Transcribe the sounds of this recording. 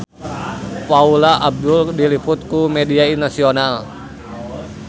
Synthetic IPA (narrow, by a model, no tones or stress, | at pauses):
paulaʔab̚duldiliput̪̚kumɛdiainasional